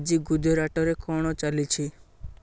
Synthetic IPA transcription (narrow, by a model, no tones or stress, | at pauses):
d͡ʒiɡud̪ʱɔɾaʈɔɾekɔɽ̃ɔt͡ʃalit͡ʃʰi